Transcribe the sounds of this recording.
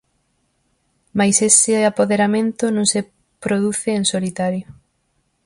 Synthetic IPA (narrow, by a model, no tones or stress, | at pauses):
majsesɪapoðeɾamẽnt̪ʊnũŋse | pɾoð̞uθɪːnsolit̪aɾjo